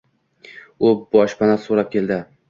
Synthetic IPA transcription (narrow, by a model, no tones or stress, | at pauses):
ʊbɒʃpʰanasoɾap̚kʲʰe̞ld̪ɪ